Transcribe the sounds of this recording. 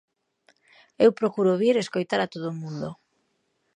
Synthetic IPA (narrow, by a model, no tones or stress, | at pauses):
ewpɾokuɾʊβiɾeskojt̪aɾat̪oð̞oʊːmũnd̪o